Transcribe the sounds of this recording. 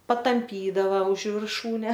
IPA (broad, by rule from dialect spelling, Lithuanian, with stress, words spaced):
pɐtɐmʲˈpʲiːdɐʋɐ ʊʃ ʋʲɪrˈʃuːnʲɛ